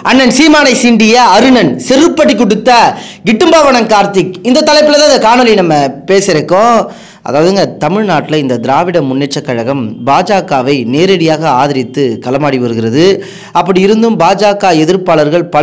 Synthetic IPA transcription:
ɐnːɐnsiːmaːnɐɪsɪɳɖɪjɐɐɾɯnɐnsɛɾɯpːɐʈːikːɔɽɯt̪ːɐ | ɡɪʈːɯmbaːʋɐɳɐŋkaːɾt̪ɪkɪnd̪ɐt̪ːɐlɐɪpːɪlɐt̪aːɪnd̪ɐkaːnɔlinɐmːɐpeːsɪɾɯkːõ | ʔɐ̰ðaːʋɐðɯŋɡɐt̪ɐmɪɻnaːʈːɪlɐɪnd̪ɐd̪ɪɾaːʋɪɽɐmʊnːɛt͡ʃːɐkːɐɻɐɣɐmbaːd͡ʒaːkːaːʋɐɪneːɾɐɽɪjaːɣɐaːðɪɾɪt̪ːɯkɐlɐmaːɽiʋɐɾɯɣɪɾɐðɯ | ɐpːɐɽiɪɾɯnd̪ɯmbaːd͡ʒaːkːaːɛðɪɾpaːɭɐɾɣɐɭpɐ

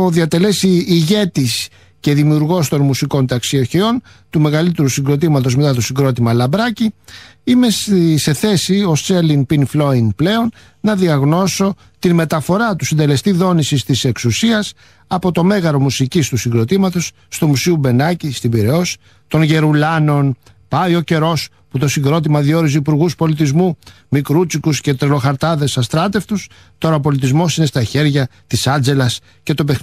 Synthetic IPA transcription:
oðiɐt̪e̞le̞siːʝe̞t̪is | ce̞ðimiuɾɣo̞st̪o̞nmusiko̞nt̪ɐksio̞çeo̞n | t̪ume̞ɣɐlit̪e̞ɾusiŋɡɾo̞t̪̬imɐt̪o̞zme̞t̪ɐt̪osiŋɡɾo̞t̪imɐlɐbɾɐciime̞se̞θe̞sio̞st͡ʃelinpinflo̞inple̞o̞n | nɐðiɐɣno̞so̞ | t̪inme̞t̪ɐfo̞ɾɐt̪usind̪e̞le̞st̪iðo̞nisist̪ise̞ksusiɐs | ɐpo̞t̪o̞me̞ɣɐɾo̞musicist̪usiŋɡɾo̞t̪imɐt̪o̞sːt̪umusiube̞nɐcist̪ibiɾeo̞s | t̪o̞nʝe̞ɾulɐno̞n | pɐjo̞ce̞ɾo̞s | put̪o̞siŋɡɾo̞t̪̬imɐðio̞ɾizipuɾɣuspo̞lit̪̬izmu | mikɾut͡sikusce̞t̪ɾelo̞xɐɾt̪ɐðe̞sɐst̪ɾɐt̪e̞ft̪us | t̪o̞ɾɐopo̞lit̪izmo̞sine̞st̪ɐçe̞ɾʝɐt̪isɐnd͡ze̞lɐs | ce̞t̪o̞pex

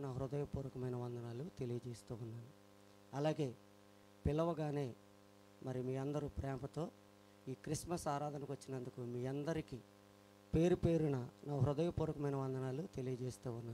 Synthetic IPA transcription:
naːɦɾud̪ɐjɐpuːɾɐkɐmɐjnɐʋɐnd̪ɐnaːlut̪e̞lijɐd͡ʒe̞ːst̪uːunːaːnu | ɐlaːɡe̞ː | pilːɐʋɐɡaːne̞ː | mɐɾimiːɐnd̪ɐɾupɾɛːmɐt̪o̞ː | iːkɾiʂmɐsaːɾaːd̪ʱɐnɐkʋɐt͡ʃːinɐnd̪ukumiːɐnd̪ɐɾiki | pe̞ːɾupe̞ːɾunɐnaːɦɾud̪ɐjɐpuːɾɐkɐmɐjnɐʋɐnd̪ɐnaːlut̪e̞lijɐd͡ʒeːst̪uːunːaː

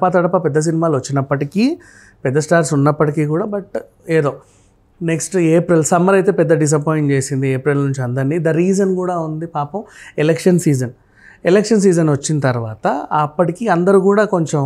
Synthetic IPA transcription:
pɐt̪ɐɽɐpɐpɛd̪ːɐs̬inimaːluʋɐt͡ʃːinɐpːɐʈikiː | pɛd̪ːɐsʈaːɾsunːɐpːɐʈikiːkuːɽaːbɐʈ | eːd̪o̞ː | neksʈeːpɾilsɐmɐɾɐjt̪e̞ːpɛd̪ːɐɖis̬ɐpoːjɳʈt͡ʃe̞ːsind̪ieːpɾilnuɲt͡ʃiɐnd̪ɐɾnːiːd̪ɐɾiːd͡ʒɐnkuːɽaːund̪ipaːpɐmelekʂɐnsiːd͡ʒɐn | elekʂɐns̬iːd͡ʒɐnʋɐt͡ʃːinɐt̪ɐɾʋaːt̪ɐɐpːɐʈikiɐnd̪ɐɾuːkuːɽaːko̞ɲt͡ʃe

